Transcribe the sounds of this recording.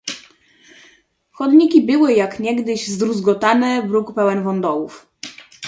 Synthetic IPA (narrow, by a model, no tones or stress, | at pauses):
xɔd̪ɲikʲibɘwɘjakɲɛɡd̪ɘʑzd̪ɾuzɡɔt̪anɛvɾukpɛwɛnvɔnd̪ɔwuf